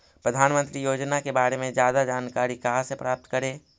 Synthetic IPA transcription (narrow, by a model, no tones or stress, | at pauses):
pɾəd̪ʱaːnmə̃nt̪ɾijoːd͡ʒnakebaːɾemẽd͡ʒjaːd̪ad͡ʒaːnkaːɾikaɦasepɾaːp̚t̪kəɾẽː